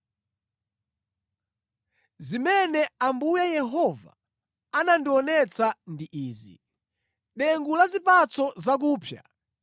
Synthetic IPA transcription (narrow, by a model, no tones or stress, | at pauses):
zimɛnɛambujajɛɦɔva̰ | anandiɔnɛt͡sandiʔiːzi | ɗɛŋɡulazipat͡sɔzak̬uːpʰja̰